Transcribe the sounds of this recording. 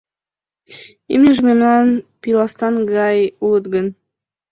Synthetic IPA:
imeʒmemnɑnpilˠɑst̪ɑnɡɑjulət̪ɡən

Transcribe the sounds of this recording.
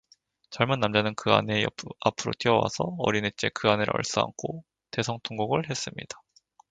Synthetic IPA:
t͡ɕʌɭmɯnːamd͡ʑanɯnkɯa̰neapʰɯɾo̰tʰiʌwa̰sʰʌʌ̰ɾinet͡ɕ͈e̞kɯanɯɾʔʌ̰ɭs͈ua̰ŋkʰo | te̞sʰʌŋtʰoŋɡoɡɯɭɦe̞s͈ɯmɲidḁ

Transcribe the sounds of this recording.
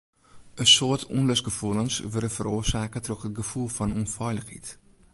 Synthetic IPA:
əsoərtʰunløsɡəfulˠənsʋørdəfəɾoːərsaːkətrɔxət̚ɡəfulˠfɔnunfɔjləxhḭt

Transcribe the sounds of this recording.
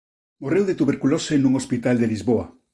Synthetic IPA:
morewðet̪uβeɾkulosenũŋospit̪ald̪elizβoa

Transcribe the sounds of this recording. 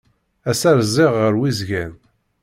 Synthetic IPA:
æsæɾzɪʁːəɾwizʝæn

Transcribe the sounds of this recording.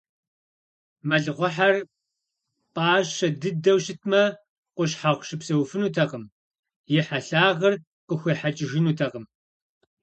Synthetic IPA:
mɐɮɨʁʷʊħar | pʼaːɕɐdɨdɐwɕɪtʰmɐ | qʷʊɕħaʁʷʃɪpsɐwfɨnuːtʰɐqəm | jɪħaɬaːʁɐr | qəxʷiħat͡ʃʼɪʒɪnuːtʰɐqəm

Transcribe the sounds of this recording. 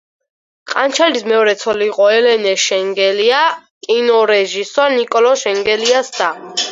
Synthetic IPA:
qʼant͡ʃʰɛlismɛɔɾɛt̪sʰɔliːqʼɔɛlɛnɛʃɛŋɡɛliakʼinɔɾɛʒisɔɾnikʼɔlɔʃɛŋɡɛliasd̪̥a

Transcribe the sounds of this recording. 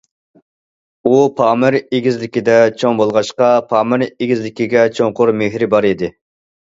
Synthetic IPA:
upʰɑːmɪɾeɡʲizlɪkʲid̪ɛt͡ʃʰoŋbolˠʁɑʃqɑpʰɑːmɪɾeɡʲizlɪkʲiɡʲɛt͡ʃʰoŋqʊɾmeɦɾɪbɑɾid̪ɪ

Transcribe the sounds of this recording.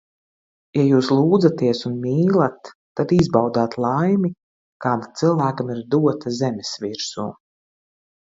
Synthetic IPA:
jajuːslˠuːd̪zat̪iɛsunmʲiːlˠat̪ː | ad̪izbawd̪aːt̪lˠajmʲi | kaːd̪at̪silˠvæːkamiɾd̪uɔt̪azɛmʲesviɾsṵː

